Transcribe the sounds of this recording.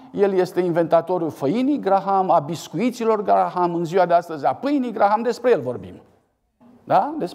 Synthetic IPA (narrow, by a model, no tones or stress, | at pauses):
je̞lje̞st̪e̞inve̞nt̪at̪o̞ɾulfəjinijɡɾaɦamabiskuit̪silo̞rɡɾaɦamɨnziwad̪e̞ast̪əzʲapɨjnijɡɾaɦamd̪e̞spɾe̞je̞lvo̞rbḭm | d̪ad̪e̞s